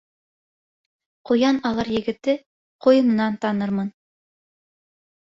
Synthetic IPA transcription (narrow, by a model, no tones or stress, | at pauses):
qŏjɑnɑlˠɑɾjɘ̆ɡɘ̆t̪ɘ | qŏjɤ̆mnɑnt̪ɑnɤɾmɤn